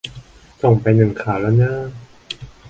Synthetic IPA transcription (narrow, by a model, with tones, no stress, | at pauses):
so˨˩ŋpa˧jnɯ˨˩ŋkʰaː˩˦la˦˥naː˥˩˨